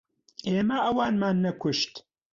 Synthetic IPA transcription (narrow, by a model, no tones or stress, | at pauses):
ʔeːmɐʔɐwaːnmaːnːɐkʷʊʃt̪